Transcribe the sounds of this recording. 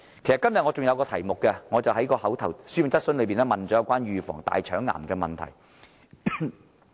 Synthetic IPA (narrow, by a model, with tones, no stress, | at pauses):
kʰe˨˩jstkɐ˥mjɐ˨t̚ŋɔː˨˧t͡sʊ˨ŋjɐ˨˧wkɔː˧t̪ʰɐ˨˩jmʊ˨kːɛ˧ŋɔː˨˧t͡sɐ˨wɦɐ˨˥jkɔː˧hɐ˨˥wt̪ʰɐ˨˩wsyː˥jʊ˨˧ŋt͡sɐ˥t̚sɵ˥nlɵ˨˧piː˨nɛː˥mɐ˨nt͡sɔ˨˥ɐ˨˧wkwaː˥njyː˨fɔ̰ː˨˩ŋt̪a̰ː˨jt͡ʃʰœː˨˥ŋːa̰ː˨˩mkɛː˧mɐ̰˨nt̪ʰɐ̰˨˩j